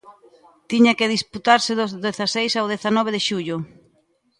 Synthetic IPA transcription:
t̪iɲakɪðisput̪aɾsɪðʊzðeθasejsawðeθanɔβeðeʃuʎʊ

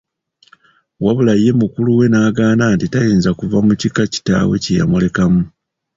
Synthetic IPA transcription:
waβulaje̞mukuluwe̞naːɡaːnaːntitajiːnzakuvamucikaci̥ta̰we̞̰cija̰mule̞kamu

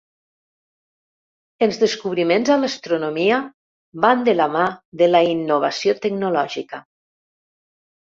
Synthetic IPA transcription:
elˠzðeskuβɾimenzalast̪ɾunomia | βand̪əlamaðəlainːuβ̞asiot̪əɡnulɔʒika

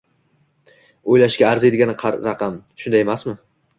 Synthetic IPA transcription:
ojlaʃkʲaːɾzed̪ɪɡʲanɪqʰɑɾɑqʰɑmʃʊnd̪ajemasmɪ

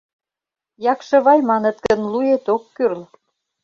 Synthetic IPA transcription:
jɑkʃɤ̆βɑjmɑnə̆t̪̚kə̆nlujet̪okːyrl

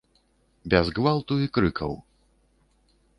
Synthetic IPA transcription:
bʲɛzɣvalˠt̪uikɾɨkɐ̰w

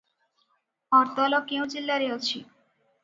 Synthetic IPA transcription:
ɔɾt̪ɔlɔkew̃d͡ʑilːaɾeɦot͡ɕʰḭ

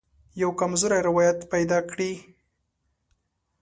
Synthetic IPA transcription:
jawkamzʊɾaɾɪwɑjat̪pajd̪ɑkɽi

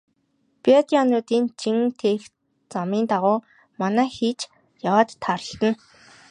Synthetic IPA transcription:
piat̪iɔnʊːt̪iːnt͡ɕʰiŋt̪ʰeːx | t͡samiːnt̪aʁʊː | manæːxiːt͡ɕ | jawaːt̪ʰːaɾə̆ɬt̪ə̆n

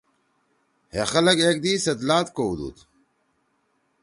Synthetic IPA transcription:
hexɐlɐɡeːk̚d̪iːsɐd̪laːt̪koud̪ṵːt̪

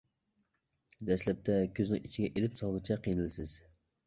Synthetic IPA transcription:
d̪ɛslɛp̚t̪ʰɛkʲʰøznɪŋit͡ʃʰiɡʲɛʔelɪpsɑlˠʁɨt͡ʃʰɛqʰijnɪlɪsɪz̥

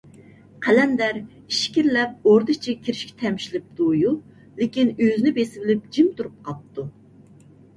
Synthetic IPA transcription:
qʰælɛnd̪æɾ | iʃkʲiɾlɛp̚oɾd̪ɨt͡ʃʰikʲʰiɾɪʃkʲɛ̥t̪ʰɛmʃilɪp̚d̪̥uju | lɪkʲinøzɪnɪbesɪbɪlɪp̚d͡ʒimt̪ʰuɾup̚qʰɑp̚t̪ʰu

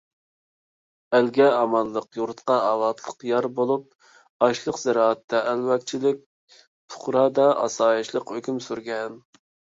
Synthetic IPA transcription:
ælɡʲɛɑmɑlˠːəqjuɾt̪qɑɑlɑt̪ʰlˠəqjɑɾbolˠup̚ | ɑʃlˠəqz̥ɛɾɑːɛt̪ʰːɛʔælwɛk̚ʲt͡ʃʰilɪk̚ʲ | t̪ʰʊ̥χɾɑːd̪ɑʔɑ̰sɑːjɑʃlˠəqhøkʲymsyɾɡʲɛn

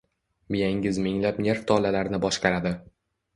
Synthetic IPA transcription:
mijaŋɡʲɪzmɪŋlapne̞ɾft̪ʰɒlalaɾnɪbɒʃqɑɾad̪ɪ

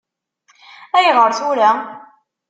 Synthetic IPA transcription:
æjʁəɾθuɾa

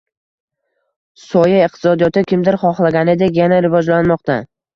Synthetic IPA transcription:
sɒjaɪq̚t̪ʰɪ̥sɒd̪ijɒt̪ɪkʲɪmd̪ɪɾχɒχlˠaɡʲanɪd̪ekʲjanaɾɪvɒd͡ʒlanmɒq̚t̪ʰa

